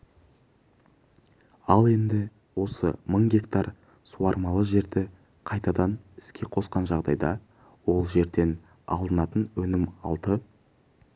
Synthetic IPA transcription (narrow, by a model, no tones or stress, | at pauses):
ɑlˠe̞nd̪ɪ | wo̞səməɴɡʲe̞kt̪ɑɾ | suɑɾmɑlˠəʒe̞ɾd̪ɪ | qʰɑjt̪ɑd̪ɑnɪ̥skʲe̞qʰo̞sqɑnʒɑʁd̪ɑ̰jd̪ɑ | wo̞lˠʒe̞ɾd̪e̞n | ɑ̰lˠd̪ənɑt̪ənwɵnɪmɑ̰lˠt̪ə